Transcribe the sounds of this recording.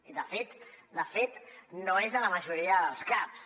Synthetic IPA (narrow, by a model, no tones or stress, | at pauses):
iðəfet̪d̪əfet̪noezðələməʒuɾiəðəlˠskaps